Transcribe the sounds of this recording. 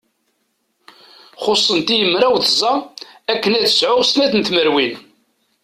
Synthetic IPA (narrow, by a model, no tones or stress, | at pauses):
χosˤːənt̪ijəmːɾæwθəzˤɑækːənæðsʕʊʁsnæθənt̪məɾwin